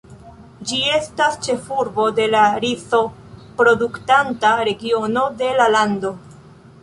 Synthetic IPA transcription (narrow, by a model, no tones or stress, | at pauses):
d͡ʒie̞stast͡ʃe̞fuɾbo̞de̞laɾiso̞ | pɾo̞duktantaɾe̞ɡio̞no̞de̞lalando̞